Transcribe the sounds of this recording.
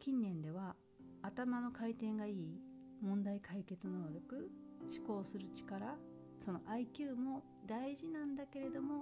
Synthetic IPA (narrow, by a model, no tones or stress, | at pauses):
kʲĩnːẽ̞nd̪e̞β̞aː | t̪amano̞kait̪ẽ̞ŋɡaiː | mõ̞nd̪aikʰaike̞t͡sɨnoβaɾɯ̟kɯ̟ɕi̥ko̞ːsɨɾɯ̟t͡ɕi̥kaɾa | so̞no̞ʔaikʲɨːmo̞ | d̪aiʑinãnd̪ake̞ɾe̞d̪o̞mo̞